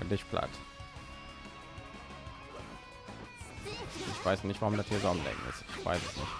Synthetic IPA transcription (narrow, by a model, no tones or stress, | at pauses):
ndɪçpʰla̰t | ʔɪçv̥aɪsnɪçtv̥aʁʊmdatʰiːɐzɔmnlɛ̰ɡŋ̩ɪ̰stɪçv̥a̰ɪsɛsnɪ̰ç